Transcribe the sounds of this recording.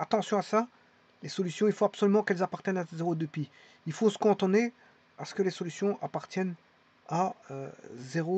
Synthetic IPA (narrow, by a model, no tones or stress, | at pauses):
at̪ɑ̃sjɔ̃asa | lesɔlysjɔ̃ilfoapsɔlymɑ̃kɛlzapaʁt̪jɛnazeʁod̪əpi | ilfosə̥kɔ̃t̪one | asə̥kəlesɔlysjɔ̃ʔapaʁt̪jɛn | aø̰zeʁo